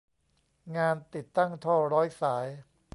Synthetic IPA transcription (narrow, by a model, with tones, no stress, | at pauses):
ŋaː˧nt̪i˨˩t̪ːa˥˩ŋt̪ʰɔː˥˩ɾɔː˦˥jsaː˩˦j